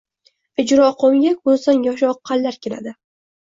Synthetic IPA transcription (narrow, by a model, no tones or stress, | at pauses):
ɪd͡ʒɾɒqʰomjʲak̚ʲbolˠsanjɒʃ̬ɒqʰːɑlːaɾkʲʰela̰d̪ɪ